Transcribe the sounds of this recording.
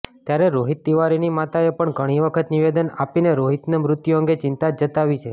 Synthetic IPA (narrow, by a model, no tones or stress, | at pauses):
t̪jaɾeɾoɦit̪ːiʋaɾinimat̪aepəɳɡʱəɽ̃iʋəkʰət̪niʋed̪ənapineɾoɦit̪nemɾʊt̪joə̃ŋɡet͡ʃɪnt̪ad͡ʒət̪aʋit͡ʃʰe